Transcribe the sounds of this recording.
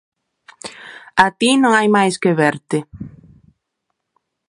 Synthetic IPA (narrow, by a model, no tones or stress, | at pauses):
at̪inõŋajmajskeβɛɾt̪ɪ